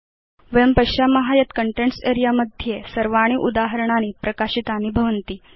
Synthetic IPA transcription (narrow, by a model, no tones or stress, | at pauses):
ʋəjəmpəɕaməɦajət̪kəɳʈeɳʈseɾijaməd̪ʱjesəɾʋaɽ̃iːʔud̪aɦəɾɳ̃añiːpɾəkaɕit̪aniːbʱəʋənt̪iː